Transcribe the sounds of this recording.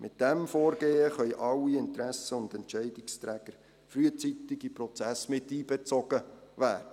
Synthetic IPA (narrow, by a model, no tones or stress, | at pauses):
mʔɪt̚d̥ɛmfoːɾɡeːəχœʏjʔɑwiɪnt̪ɾæsəʊnd̪ɛntt͡ʃɛɪdɪkst̪ɾæːɡ̥əɾ | fɾyət͡sit̪ɪɡiprɔt͡sæsmɪtːiːbɛt͡sɔɡ̥əʋæːdə